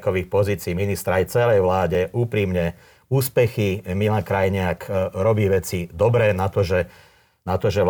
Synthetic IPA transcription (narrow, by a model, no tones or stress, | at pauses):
kɔʋiːxpɔziːt͡siːminist̪ɾajt͡sɛlɛjʋlaːɟɛʔuːpɾiːmɲɛ | uːspɛximilakɾajɲɪakɾɔbiːʋɛt͡sid̪ɔbɾɛːnat̪ɔʒɛ | nat̪ɔʒɛʋ